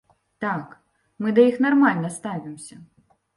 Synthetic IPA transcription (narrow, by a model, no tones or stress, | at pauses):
t̪ak | mɨd̪ɐjixnarmalʲnɐst̪avʲimsʲɐ